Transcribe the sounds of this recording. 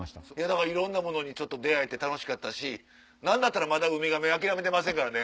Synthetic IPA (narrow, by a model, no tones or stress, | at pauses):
jad̪akaɾaiɾõ̞nːamo̞no̞ɲ̟it͡ɕo̞t̪ːo̞d̪e̞ae̞t̪e̞t̪ano̞ɕi̥kat̪ːaɕi | nãnd̪at̪ːaɾamad̪aɯ̟mʲiɡameak̬ʲiɾame̞t̪̬e̞mas̬ẽ̞ŋkaɾane̞